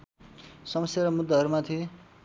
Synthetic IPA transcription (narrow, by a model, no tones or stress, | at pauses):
sʌmʌsjaɾʌmud̪ːaɦʌɾumat̪ʰi